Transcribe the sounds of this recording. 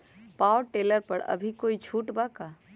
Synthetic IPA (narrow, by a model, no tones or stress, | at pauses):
paːwʈeːləɾpɐɾɐ̰bʱikoːit͡ʃʰuːʈbakaː